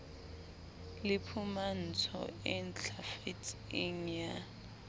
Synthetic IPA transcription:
lɪpʰuman̩t͡sʰɔ̰ɛnt͡ɬʰafitʰʼiŋ̩ja

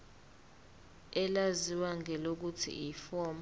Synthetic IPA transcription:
ɛlaziwaŋʱɛlok̬utʰḭifɔːm

